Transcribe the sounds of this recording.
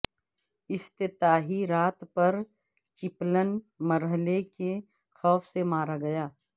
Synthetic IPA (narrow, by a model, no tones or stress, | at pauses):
ɪst̪ɪt̪aːɦiɾaːt̪pɐɾ | t͡ʃɪplən | məɾɦəleke | xɔːfʰsemaːɾaɡɐjaː